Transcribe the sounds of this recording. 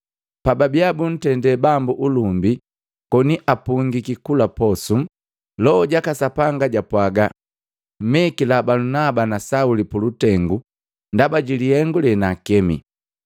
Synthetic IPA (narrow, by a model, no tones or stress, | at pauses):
pababiabun̩tɛndɛbambuʔulumbi | kɔniʔapuŋɡikikulapɔsum | lɔːɟakasapaŋɡaɟapwaɡa | m̩mɛkilabalunabanasaulipulutɛŋɡu | ndabaɟilihɛŋɡulɛnakɛmḭ